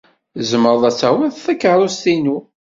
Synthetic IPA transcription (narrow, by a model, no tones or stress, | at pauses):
zəməɾˤðˤæt͡sːæwiðθækːəɾˤust̪inu